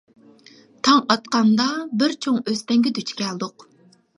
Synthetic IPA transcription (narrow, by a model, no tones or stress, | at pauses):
t̪ʰɑŋɑt̪̚qɑnd̪ɑbɪɾt͡ʃʰoŋøst̪ɛŋɡʲɛd̪yt͡ʃʰkʲɛlˠd̪ʊq